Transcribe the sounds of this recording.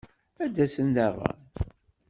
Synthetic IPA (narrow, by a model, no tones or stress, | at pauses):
æd̪ːæsənd̪æʁə̰n